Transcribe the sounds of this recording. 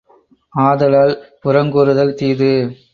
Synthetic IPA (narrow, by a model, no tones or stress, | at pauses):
aːðɐlaːlpʊɾɐŋɡɔɾɯðɐlt̪iːðɯ